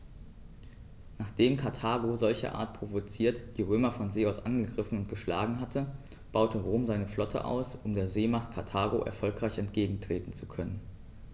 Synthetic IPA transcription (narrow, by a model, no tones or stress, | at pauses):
naːχd̥eːmkʰaɐtʰaːɡozɔlçɐ̰ʔa̰ːɐt̚pʁ̥ovot͡siːɐtd̥iːʁ̞øːmɐfɔnzeːaʊsʔanɡəɡʁɪfn̩ʊntɡ̥əʃla̰ːɡŋ̩ɦatʰə | b̥aʊtʰəʁoːmzaɪnəflɔtʰə̰ʔa̰ʊsʔʊmdeːɐzeːmaχtkʰaɐtʰaːɡoʔɛ̰ɐfɔlkʁ̥aɪçɛntɡ̥eːɡŋ̩tʁ̥eːtn̩t͡su̥kʰœnən